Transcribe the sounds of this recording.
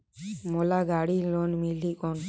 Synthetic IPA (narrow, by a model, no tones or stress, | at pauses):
mɔlaɡaɽilɔnmilikɔn